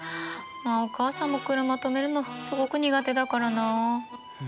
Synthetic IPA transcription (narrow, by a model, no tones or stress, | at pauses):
maokaːsãmːokɯ̟ɾɯmat̪o̞me̞ɾɯ̟nosɨɡo̞kɯ̟ɲ̟iɡat̪e̞d̪akaɾanaː